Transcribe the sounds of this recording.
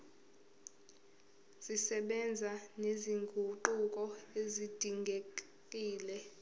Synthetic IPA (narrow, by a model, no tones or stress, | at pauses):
z̥isɛɓɛnd͡zʱaneziŋɡʱuǃukʼɔezid̥ʱiŋɡʱe | kʼiːlɛ